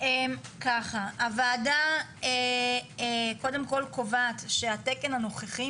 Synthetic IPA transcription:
emkaχaavaːdaeeko̞de̞mko̞lkovat̪ʃe̞ateke̞nano̞χeχi

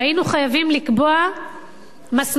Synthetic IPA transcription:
ainuχajavimlikboa | masm

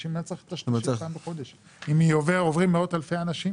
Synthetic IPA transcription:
imat͡set̪aʃambeχo̞d̪eʃ | imioveʁovʁimːeo̞thalfejanaʃi

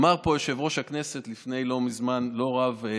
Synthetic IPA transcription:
maʁpo̞jeʃevʁo̞ʃhakne̞se̞t̪lifne̞jlo̞mizmanlo̞ʁav

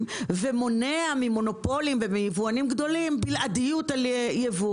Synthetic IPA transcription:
vemo̞neamimo̞no̞po̞limvemijevuanimɡd̪o̞limbilʔadijutaljevu

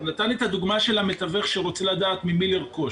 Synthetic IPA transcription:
nat̪anet̪ad̪uɡmaʃe̞lamet̪aveχʃeʁo̞t͡selad̪aːt̪mimileʁko

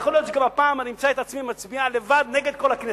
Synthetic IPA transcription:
xolio̞t̪t͡ʃeɡamapaːmanimt͡saet̪at͡smimat͡sbiale̞vad̪ne̞ɡed̪̚ko̞lakne

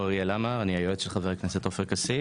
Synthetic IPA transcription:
aʁielamaʁaniajot̪ʃelχaveʁkneset̪ofeʁkasi

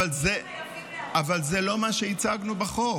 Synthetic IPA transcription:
alze | avalzelo̞maʃeit͡saɡnubeχo

